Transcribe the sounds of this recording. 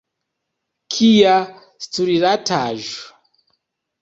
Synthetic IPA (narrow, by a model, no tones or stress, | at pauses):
kʰija | stuɾiɾatʰaːʒa